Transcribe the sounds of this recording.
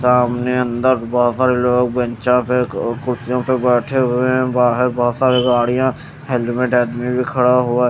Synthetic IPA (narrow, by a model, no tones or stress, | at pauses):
saːmneə̃nd̪əɾbɔɦt̪saːɾeloːɡ̚bə̃nt͡ʃãpekʊɾt̪ijõpebɛːʈʰeɦʊeɛ̃baːɦɪɾbɔɦɔt̪saːɾiɡaːɽijã | ɦɛlmẽʈɛːd̪mibʱikʰɐɽaɦʊa